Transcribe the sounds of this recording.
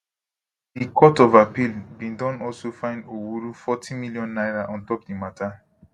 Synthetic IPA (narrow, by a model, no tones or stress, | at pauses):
dikʰɔtɔvapilbĩndɔ̃nɔlsofãɪ̃ndowuɾufɔtʰĩmiljɔ̃nːaɪɹaʔɔ̃ntɔp̚dimatʰa